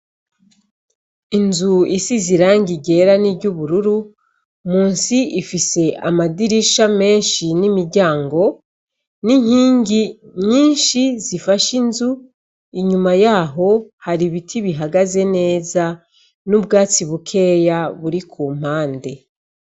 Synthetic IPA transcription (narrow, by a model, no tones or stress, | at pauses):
inzuisiziɾaːŋɡiɟe̞ɾanibɟuβuɾuɾu | muːnsiifise̞amadiɾiʃame̞ːnʃinimiɾɟaːŋɡo̞ | niɲ̥hiːŋɡiɲɲiːnʃizifaʃinzu | iɲumajaːɦo̞haɾiβitʰiβiɦaɡaze̞ne̞ːza | nubɡaːt͡siβukʰe̞ːjaβuɾikʰuːm̥haːnde̞